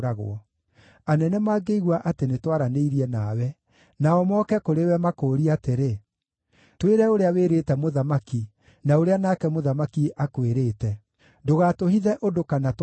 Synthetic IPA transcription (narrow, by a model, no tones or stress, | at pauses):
ɾaɣo̰ɔ | anɛnɛmaːɡeiɣwaʔatenetwaɾaneiɾiɛnawɛ | naɔmɔːkɛkoɾewɛmakoːɾiateɾe | tweɾɛoɾeaweɾetɛmoðamaki | naoɾeanaːkɛmoðamakiʔakweɾeːtɛ | doɣaːtoɦiðɛʔodokanat